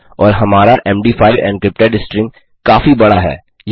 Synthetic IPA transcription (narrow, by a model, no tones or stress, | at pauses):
ɔːɾɦɐmaːɾaʔɛːmɖiːfʰaːɪɾɛ̰̃ːɳɖkɾɪp̚ʈaɖɪsʈɾɪ̃ŋ | kaːfibɐɽaɦɛ̰ː | j